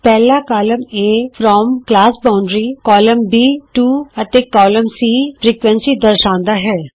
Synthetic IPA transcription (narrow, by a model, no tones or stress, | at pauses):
pɛːlakaːləmeːfɾɔːmklaːsbãːʊ̃ɳɖɾikɔːləmbiːʈuːɐt̪eːkɔːlə̃msiːfɾiːkʋɛ̃nsid̪əɾʃãːnd̪aɦɛː